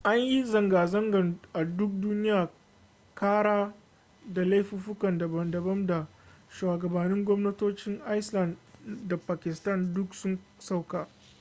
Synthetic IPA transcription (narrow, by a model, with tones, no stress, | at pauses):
ʔa˦ɲji˦zɐ˨ŋɡaː˨zɐ˦ŋɡɐ˨nʔa˨dʊ˦k̚duː˦nɪ˦jaː˨ | kaː˦ɽaː˦ | da˨la˦jɸi˦ɸʊ˦kɐ˨ndɐ˨bɐ˨ndɐ˨bɐ˦mda˨ | ʃwaː˨ɡɐ˨bɐ˨nɪ˦ŋɡʷɔ˦mnɐ˦toː˦t͡ʃɪ˦ŋʔa˦jslɐ˨nda˨paː˨kʲɪ˨stɐ˦˨ndʊ˦ksʊ˦ŋ | sa˦wkaː˨